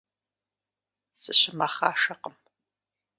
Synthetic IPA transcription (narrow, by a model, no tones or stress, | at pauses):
sɨɕɪmaχaːʂɐqəm